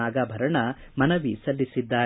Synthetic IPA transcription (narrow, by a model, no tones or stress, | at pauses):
aːɡaːbʱɐɾɐɳɐmɐnɐʋisɐlːisid̪ːaː